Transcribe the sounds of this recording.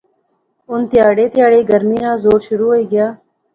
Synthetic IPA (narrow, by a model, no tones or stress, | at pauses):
ʊnt̪ɪjaːɽeːt̪ɪjaːɽeːɡəɾmiːnãːzoːɾʃʊɾuːɦoiːɡɪjaː